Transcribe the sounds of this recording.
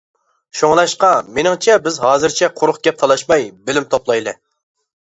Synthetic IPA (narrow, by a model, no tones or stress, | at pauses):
ʃoŋlˠɑʃqɑmenɪŋt͡ʃʰɛbɪzɦɑːzɨɾt͡ʃʰɛqʰʊɾʊχɡʲɛp̚t̪ʰɑlˠɑʃmɑjbɪlɪmt̪ʰoplˠɑjlˠɨ